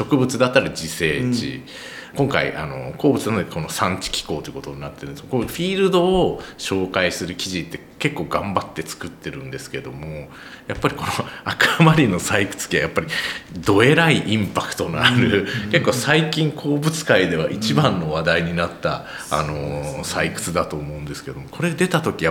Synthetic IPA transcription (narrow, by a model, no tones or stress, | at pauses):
ɕo̞kɯ̟bɯt͡sɨd̪at̪ːaɾad͡ʑise̞ːt͡ɕḭ | kõ̞ŋkaḭʔa̰no̞̰ko̞ːbɯ̟t͡sɨnko̞no̞sãɲ̟t͡ɕi̥kʲi̥ko̞ːt̪oikot̪o̞ɲ̟inat̪ːeɾɯ̟neskːakoɸʲiːɾɯ̟d̪o̞ːɕo̞ːkaisɨɾɯ̟kʲiʑit̪ːe̞ke̞kːo̞ːɡãmbat̪ːe̞t͡sɨ̥kɯ̟t̪ːe̞ɾɯ̟̃nd̪e̞sɨ̥ke̞d̪o̞mo̞ | japːaɾʲiko̞noakamaɾʲino̞saikɯ̟̥t͡sɨ̥kʲia̰japːaɾʲid̪o̞eɾaiʔĩmpakɯ̟̥t̪o̞naaɾɯ̟ke̞kːo̞ːsaikʲĩŋkʰo̞ːbɯ̟t͡sɨ̥kaid̪e̞βaʔit͡ɕibãnːo̞βad̪aiɲ̟inat̪ːa̰ | a̰no̞saikɯ̟̥t͡sɨd̪at̪o̞ːmo̞ɯ̟̃nd̪e̞sɨ̥ked̪o̞mo̞ko̞ɾe̞d̪e̞t̪at̪o̞kʲija